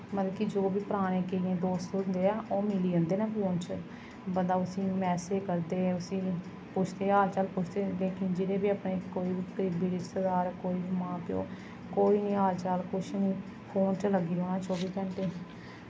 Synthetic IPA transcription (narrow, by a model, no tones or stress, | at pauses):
mət̪ːkid͡ʒoːbiːpəɾaːɽ̃ẽːkeiẽːd̪oːst̪ond̪eːɛːoːmɪliːə̃nd̪eːnãːpoːnt͡ʃ | bənd̪aːʊsĩːmɛːseːkəɾd̪eːʊsĩː | pʊt͡ʃʰt̪eːaːlt͡ʃaːlpʊt͡ʃʰd̪eːleːkɪnd͡ʒɪɾeːbiːaːpɳeːkoːiːbiːkəɾiːbiːɾɪt͡ʃsəd̪aːɾkoːiːmãːpɪjo̰ː | koːiːnĩːaːlt͡ʃalkʊt͡ʃnĩː | pʰoːnt͡ʃləɡiːɾoːnaːt͡ʃoːbiːkə̃ɳʈeː